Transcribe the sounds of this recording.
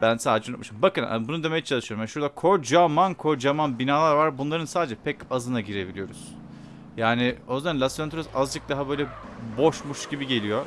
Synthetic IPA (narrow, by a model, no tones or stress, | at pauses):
bænsaːd̪ed͡ʒɛnot̪mɯʃɯmbakɯna̰bunud̪e̞mejɛt͡ʃʰalˠɯʃɯjoɾumjaʃuɾd̪akʰoɾd͡ʒamankʰo̞ɾd͡ʒamanbinaːlˠaɾvaɾbunlˠaɾɯnsaːd̪ed͡ʒɛpʰɛcazɯnaɟiɾe̞bilʲijo̞ɾṵz̥ | jaːnɪozæanlʲasænt̪ɾosazd͡ʒɯk̚d̪aɦabø̞jlʲɛ | bo̞ʃmuʃɟibiɟe̞lʲijo̞